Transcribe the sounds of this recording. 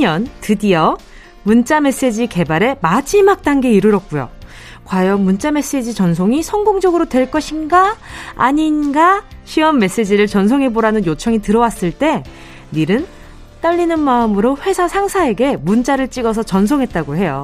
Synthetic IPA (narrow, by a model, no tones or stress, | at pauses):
ɲʌntɯdiʌ | munt͡ɕ͈ame̞s͈e̞d͡ʑike̞baɾe̞mad͡ʑimak̚t͈aŋɡe̞iɾɯɾʌk̚k͈ujo̰ | kwajʌmunt͡ɕ͈ame̞s͈e̞d͡ʑit͡ɕʌns̬ʰoŋisʰʌŋɡoŋd͡ʑʌɡɯɾodwe̞ɭk͈ʌɕʰinɡa̰ːɲinɡaɕʰiʌmːe̞s͈e̞d͡ʑiɾɯɭt͡ɕʌnsʰoŋɦe̞boɾanɯnjot͡ɕʰʌŋitɯɾʌwas͈ɯɭt͈e̞ | niɾɯn | t͈ʌʎːinɯnmaɯmɯɾoɸwe̞sʰasʰaŋsʰae̞ɡe̞munt͡ɕ͈aɾɯɭt͡ɕ͈iɡʌs̬ʰʌt͡ɕʌns̬ʰoŋɦe̞t̚t͈aɡoɦe̞jo